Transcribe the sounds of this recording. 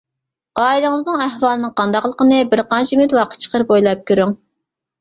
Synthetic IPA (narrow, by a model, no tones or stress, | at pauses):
ɑːilˠɨŋɨznɨŋæhwɑːlˠɨnɨŋqʰɑnd̪ɑqlˠəqənɨbɪɾqɑnt͡ʃʰimyt̪wɑqə̥t̪t͡ʃʰə̥qəɾbojlˠɑp̚kʲøɾyŋ